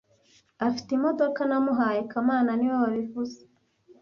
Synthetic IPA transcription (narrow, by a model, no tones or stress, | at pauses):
afi̥timo̞do̞kanamuɦaːjekamaːnaniwaβaβivuze